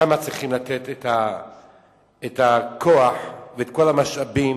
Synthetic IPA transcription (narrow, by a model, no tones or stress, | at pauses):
amat͡sʁiχimlat̪et̪et̪a | et̪akʰoaħveet̪ko̞lamaʃabim